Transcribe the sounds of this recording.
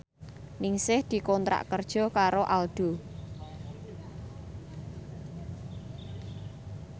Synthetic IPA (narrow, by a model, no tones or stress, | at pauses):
nɪŋsɪhd̪̥i̤kɔnt̪ɾa̰ʔkərd̥ʒ̥ɔ̤kaɾoʔalɖ̪̥o̤